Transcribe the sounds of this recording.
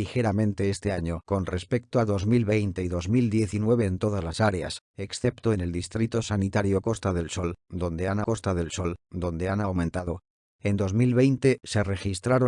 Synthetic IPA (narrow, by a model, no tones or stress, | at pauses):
ixe̞ɾamẽ̞nt̪e̞est̪e̞aɲo̞ko̞nre̞spe̞k̚t̪oaðo̞zmilβe̞jnt̪e̞iðo̞zmild̪je̞θinwe̞β̞eːnt̪o̞ðazlasaɾea̰s | eksθe̞pt̪oene̞ld̪ist̪ɾit̪osanit̪aɾjo̞ko̞st̪aðe̞lso̞ld̪õ̞nd̪e̞anako̞st̪aðe̞lso̞ld̪õ̞nd̪e̞anawmẽnt̪aðo | e̞nd̪o̞zmilβe̞jnt̪e̞se̞re̞xist̪ɾaɾo